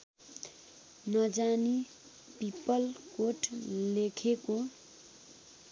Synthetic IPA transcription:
nʌd͡zani | pipʌlkoʈlekʰeko

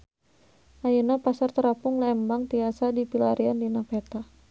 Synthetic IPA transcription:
ʔajunapasart̪əɾapʊŋlaɛmbaŋt̪iasadipilaɾiandinapɛt̪a

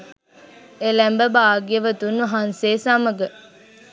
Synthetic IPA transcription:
elæmbəbaːɡijəʋət̪unʋɐɦanseːsaməɡə

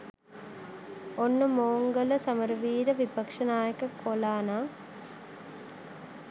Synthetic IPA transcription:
onːumoːŋɡɐlɐsɐmɐɾʋiːɾɐʋipɐkʂɐnaːjɐkɐkʰolaːnaː

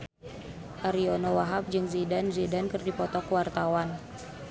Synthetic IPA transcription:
ʔaɾionowaɦap̚d͡ʒɨŋzidanzidankɨrdipɔt̪ɔkəwart̪awan

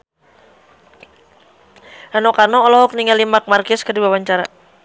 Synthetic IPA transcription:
ʔanɔkarnɔːlɔɦɔk̚niŋalimak̚markɪskədiwawaɲt͡ʃaɾa

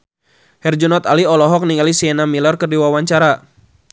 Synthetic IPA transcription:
hɛrd͡ʒɔnɔt̪aliɔlɔɦɔk̚niŋalisiɛnamilɔrkərdiwawaɲt͡ʃaɾa

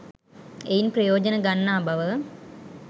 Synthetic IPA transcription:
ejnprɐjoːd͡ʒɐnɐɡɐnːaːbɐʋə

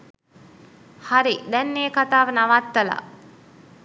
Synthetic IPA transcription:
haɾid̪ɛnːeːkat̪aːʋənaʋat̪ːəla̰

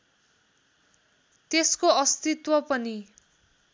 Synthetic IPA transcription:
t̪eskoʌst̪it̪wʌpʌni

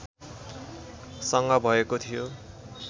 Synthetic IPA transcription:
sʌŋɡʌbʱʌekot̪ʰijo

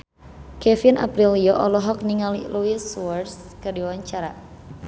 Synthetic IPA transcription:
kɛfinʔa̰pɾilijɔʔɔlɔɦɔk̚niŋaliluisuwɛrs | kərdiwaɲt͡ʃaɾa

